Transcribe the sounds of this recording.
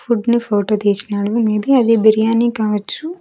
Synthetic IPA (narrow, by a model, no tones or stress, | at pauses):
fuɖnufoːʈot̪eːt͡ʃnaːɽʋumeːbiɐd̪ibɛɾijaːnekaːʋɐt͡ʃːu